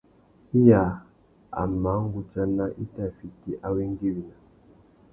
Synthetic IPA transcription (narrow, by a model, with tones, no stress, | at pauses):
i˦ja˨ | a̰˨ma˨˦ŋ˦ɡu˨t͡ʃa˦na˦ʔi˦ta˨fi˨ti˦ʔa˦wi˦ŋ˦ɡi˦wi˨na˨